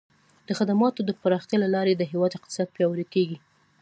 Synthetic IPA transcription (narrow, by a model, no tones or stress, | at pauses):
d̪̥əxad̪amɑt̪od̪əpəɾɑxt̪jɑlalɑɾed̪əɦewɑd̪ɪq̚t̪ɪ̥sɑd̪̚pjɑwəɾikeɡi